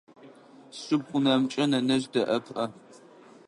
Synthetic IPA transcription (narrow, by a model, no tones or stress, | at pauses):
sʊb̚qʷʊnɐmt͡ʃʼɐnɐnɐʑdɐʔɐpʰʔɐ